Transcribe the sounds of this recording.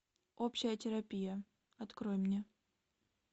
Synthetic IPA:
opɕːɪjətʲɪɾɐpʲijə | ɐt̪kɾojmnʲe

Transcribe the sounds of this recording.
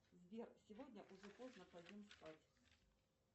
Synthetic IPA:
zʲvʲersʲɪvodʲnʲəʔʊʐɛpoznəpɐdʲimspat͡sʲ

